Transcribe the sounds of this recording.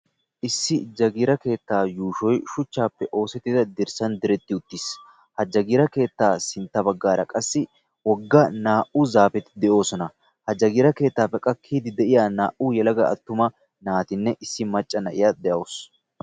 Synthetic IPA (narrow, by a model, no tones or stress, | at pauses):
ʔɪsːɪd͡ʒɐɡiːɾɐke̞ːt̪ːaːjuːʃɔjʃʊt͡ʃːaːpːɛʔo̞ːsɛt̪ːɪd̪ɐd̪ɪɾsɐnd̪ɪɾɛt̪ːɪʊt̪ːis | hɐd͡ʒɐɡiːɾɐke̞ːt̪ːaːsɪnt̪ːɐbɐɡːaːɾɐkʼɐsːɪ | wɔɡːɐnaːʔʊzaːfɛt̪ɪd̪ɛʔo̞ːsɔnɐ | hɐd͡ʒɐɡiːɾɐke̞ːt̪ːaːpːɛkʼɐkʰːiːd̪ɪd̪ɛʔɪjaːnaːʔʊjɛlɐɡɐɐ̰t̪ːʊmɐ | naːt̪ɪnːɛʔɪsːɪmɐt͡ʃʼːɐnɐʔɪjad̪ɛʔɐːs